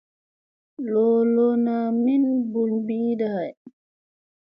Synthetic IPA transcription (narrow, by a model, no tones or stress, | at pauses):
lɔlɔnaminbulbiːdahaj